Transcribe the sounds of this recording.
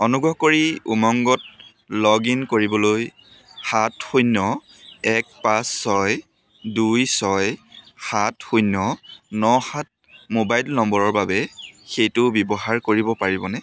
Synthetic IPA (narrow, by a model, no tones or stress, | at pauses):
ɔnuɡɹɔkoɹiṵmɔŋɡɔt̚ | lɔɡinkoɹibɔloj | xatxojnɔ | ɛk̚pasːɔj | dujsɔjxatxujnɔnɔhat̚ | mobajlnɔmbɔɹɔɹbabɛxejtʊbjɔbɔɦaɹkoɹibɔpaɹibɔnɛ